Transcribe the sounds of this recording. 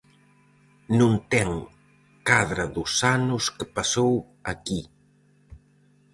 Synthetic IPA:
nũnt̪ɛŋ | kaðɾɐðʊsanʊskepasow | ɐki

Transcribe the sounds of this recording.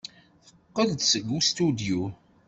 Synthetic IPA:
θə̥qqːəðt̪səɡːust̪ud̪ju

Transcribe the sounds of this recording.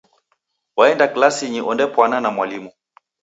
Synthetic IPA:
waɛndaklasiɲiʔɔndɛpwananamwalimu

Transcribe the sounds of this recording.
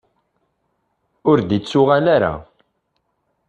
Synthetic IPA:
ʊɾd̪it͡sːʊʁanaɾa̰

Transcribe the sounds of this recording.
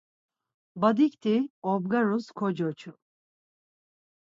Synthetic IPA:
bad̪ikt̪ʰiɔb̚ɡaɾuskʰɔd͡ʒɔt͡ʃʰu

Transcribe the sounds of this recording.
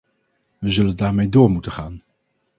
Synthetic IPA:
ʋəzɵləndaːɹmejdʊːɹmutəχaːn

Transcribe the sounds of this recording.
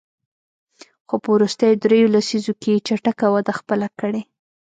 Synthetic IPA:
xopəwɾust̪əjod̪ɾejolasizoket͡ʃaʈakawad̪axpəlakəɽe

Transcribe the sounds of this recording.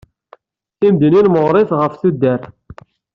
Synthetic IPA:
θimd̪ininməʁɾˤeθʁəfθud̪ːæɾ

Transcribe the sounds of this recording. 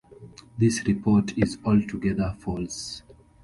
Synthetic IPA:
ðisɹipʰɔtʰizɔltʰuɡɛðəfɔls

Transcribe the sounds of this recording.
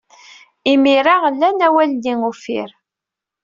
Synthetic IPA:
imiɾaʁlːænæwælːiŋufḭɾ

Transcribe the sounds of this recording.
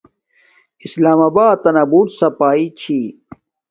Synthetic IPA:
islaːmaːbaːt̪ɐnɐbuːt̪sɐpaːit͡ɕʰi

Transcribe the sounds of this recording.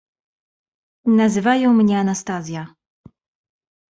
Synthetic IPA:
nazɘvajɔ̃w̃mɲɛanast̪azʲja

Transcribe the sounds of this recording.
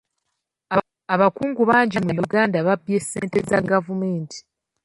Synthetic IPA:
aβakuːŋɡuβaːɲɟimujuɡaːndaβabje̞se̞ːnte̞zaɡavume̞ːntʰi̥

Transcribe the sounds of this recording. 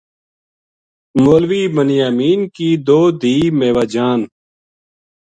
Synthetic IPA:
moːlʋiːbənjaːmiːnkiːd̪oːd̪ʱiːmeːʋaːd͡ʒaːn

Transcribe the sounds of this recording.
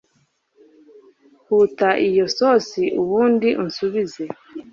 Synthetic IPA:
hutaʔijo̞sosiʔuβuːndiʔunsuβize̞

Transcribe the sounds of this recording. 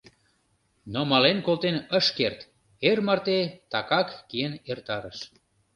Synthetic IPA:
nomɑlenkolt̪enəʃkert̪ | ermɑrt̪et̪ɑkɑkːienert̪ɑɾəʃ

